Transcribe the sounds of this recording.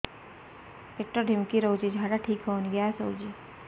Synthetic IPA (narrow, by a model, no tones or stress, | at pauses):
ek̚ʈoɖʱɪmkiɾowd͡ʒid͡ʒʱaːɽaʈʰiːkɦonɡjaɛsoːd͡ʒi